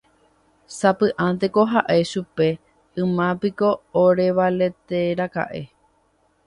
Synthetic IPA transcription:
sapɨʔãnt̪̬e̞ko̞ɦaʔe̞ʃupe̞ | ɨ̃mãpiko̞ːɾe̞ʋale̞t̪e̞ɾaka̰ʔe̞

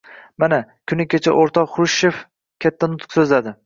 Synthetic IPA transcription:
manakʲʰʊnɪkʲet͡ʃʰaʔoɾt̪ʰɒχɾʊʃef | kʲʰat̪ʰːanʊt̪qsɵzlad̪ɪ

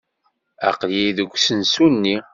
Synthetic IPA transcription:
æ̰qljiðəɡʷsənsunːi

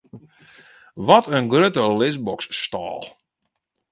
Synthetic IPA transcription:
ʋɔtʰənɡrøtəlɪsbɔksːtɔ̰ːlˠ

